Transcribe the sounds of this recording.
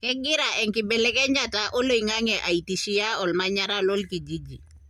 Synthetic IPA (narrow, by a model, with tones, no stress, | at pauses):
kɛ˦ɡɪ˦ɾa˨ʔɛ˨ŋki˨bɛ˨lɛ˦kɛ˦ɲa˨ta˨ʔo˦lo˦iŋa˦ŋɛ˨ʔa˨i˨ti˨ʃi˦ja˦ɔ˨lma˦ɲa˦ɾa˦lɔ˦lki˨d͡ʒi˦d͡ʒi˨